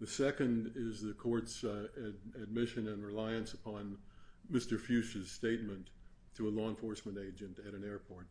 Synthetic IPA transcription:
ðɨsɛkɨ̃ndɪzðɨkʰɔɹts | ɨd̚mɪʃɨ̃nɨ̃nɹɪlaɪɨ̃nsəpʰɑ̃nmɪstə˞fjʉʃɨz̥steɪt̚mɨ̃ntʰ | ɨəlɔə̃nfɔɹsmɨ̃nteɪd͡ʒɨ̃ntɨɾɨ̃nɛɹpʰɔɹt̚

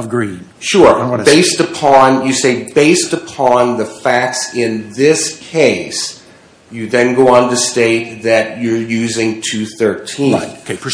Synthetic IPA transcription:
ʌvɡɹĩn | ʃʊɹbeɪstɨpʰɑ̃njɨseɪbeɪstɨpʰɑ̃nðɨfæk̚tsɪ̃nðɪskʰeɪs | jɨðɨ̃nɡoʊə̃ntɨsteɪt̪̚ðɨt͡ʃə˞jʉzɪ̃ŋtʰʉθɜ˞tʰĩn

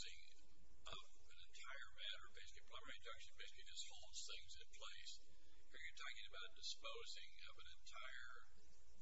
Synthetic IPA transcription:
zɪ̰̃ŋ | ʔʌv | ɨ̃nɨ̃ntʰaɪə˞mæɾə˞ʌbeɪskɨt̚b̥ʰl̥ãɪ̃mɛɨdʌkʃɨ̃nbeɪskɨɾɨz̥hɔlˠz̥θɪ̃ŋzɨ̃npʰl̥eɪs | hiɹjə˞tʰɔkɪ̃ŋɨbaʊt̚d̥ɨspoʊzɪ̃ŋʌ̰vɨ̃nɨ̃ntʰaɪə˞

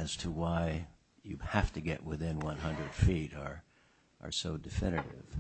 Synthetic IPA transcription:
ɨz̥tʰəwaɪ | jɨhæftɨɡɛ̰ʔwɪðɪ̃nwʌ̃nɦʌ̃ndɹɨd̥fiɾə˞ | ʔə̰˞soʊdɨfɪ̃nɨɾɪ̰v̥

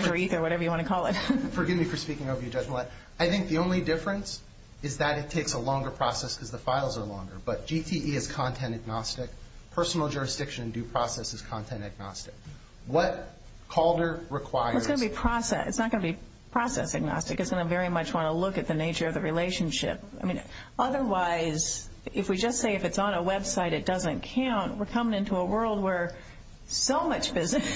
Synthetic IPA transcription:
ə˞iθə˞wʌɾɛvə˞jɨwɑ̃ñtʰɨkʰɔlˠɪt̚fə˞ɡɪvmifə˞spikɪ̃ŋoʊvə˞jɨd͡ʒʌd͡ʒm̩lɛ | aɪθɪ̃ŋk̚ðiõʊ̃nlidɪfɹɨ̃ns | ɨzðɨɾɨtʰeɪksəlɔ̃ŋɡə˞pʰɹ̥ɔsɛskʰʌzðəfaɪlˠzə˞lɔ̰̃ŋɡə˞b̥ʌt̚d̥ʒ̥itʰiʔiɨz̥kʰɑ̃ntʰɛ̃ntɨɡ̚nɑstɨk̚pʰɜ˞sn̩l̩ˠd͡ʒʊɹɨsd̥ɪkʃɨ̃nɨ̃n̩dʉpʰɹ̥ɔsɛsɨz̥kʰɑ̃ntʰɛ̃ntɨɡ̚nɑ̰stɨk̚ | wʌt̚ | kʰɔlˠdə˞ɹɨkʰw̥aɪəəsɡ̥ʌnəbipʰɹ̥ɑsɛ̰sɨ̰tsnət̚ɡ̥ʌnəbi | pʰɹ̥ɑsɛ̰sɨɡ̚nɑ̰stɨkɨtsɡ̥ʌnəvɛɹimʌt͡ʃwɑ̃ñəlʊkɨt̪̚ðɨneɪt͡ʃə˞ʌvðɨɹileɪʃɨ̃n̩ʃɪ̰p̚aɪmĩn | ʌðə˞waɪz | ɨfwid͡ʒʌstseɪɨfɨtsn̩əwɛbsaɪɾɨt̚d̥ʌzɨ̃nkʰãʊ̃nt̚wəɹkʰʌ̃mɪ̃ŋɪ̃ntuəwɜ˞lˠd̚wə˞ | soʊmʌt͡ʃb̥ɪzɨ

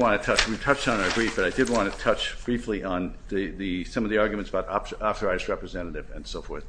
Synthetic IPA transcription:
wɑ̃nɨtʰʌt͡ʃwitʰʌt͡ʃtn̩ə˞bɹifb̥ʌɾaɪdɨd̚wɑ̃nʰɨtʰʌt͡ʃb̥ɹifliʔə̃n | ðɨðɨsʌ̃mʌvðiɑɹɡjɨmɨ̃nsəbaʊɾɑɑθə˞aɪzɹɛpɹɨzɛ̃nɨɾɨvɨ̰̃nsoʊfɔ̰ɹθ

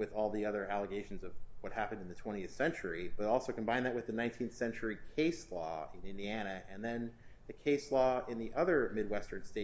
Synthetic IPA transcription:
wɨðɔlˠðiʌðə˞ælˠəɡeɪʃn̩zʌvwʌt̚hæpɨ̃ndɨ̃n̩ðɨtʰw̥ɛ̃ɾ̃iɨθsɛ̃nt͡ʃə˞ib̥ʌɾɔlˠsoʊkʰm̩bãɪ̃nðɨt̚wɨðɨnãɪ̃ntʰĩnθsɛ̃nt͡ʃə˞ikʰeɪslɔ̰ɪ̃nɪ̃ndiæɾ̃nɨʔɨ̃nðɨ̃nðɨkʰeɪslɔɪ̃nðiʔʌðə˞mɪd̚wɛstə̃˞nsteɪ

